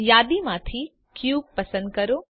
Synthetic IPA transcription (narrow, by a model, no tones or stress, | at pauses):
jaːd̪imãːt̪ʰi | kjuːb̚pɐsə̃nd̪̚kɐɾoː